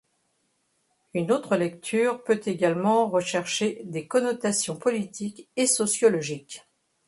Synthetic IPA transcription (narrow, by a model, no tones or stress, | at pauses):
ynot̪χəlɛkt̪ʰyʁpøt̪eɡalmɑ̃ʁəʃɛʁʃed̪ekɔnɔt̪asjɔ̃pɔlit̪ʰikesɔsjɔlɔʒik